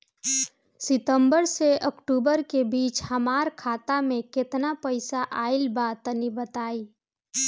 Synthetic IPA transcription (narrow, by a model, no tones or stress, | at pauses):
sɪt̪ə̃mbəɾseəɔkʈuːbəɾkebiːt͡ʃhɐmaːɾkʰaːt̪amẽkɪt̪napəɪsaʔaːɪlbaːt̪ənibət̪aːiː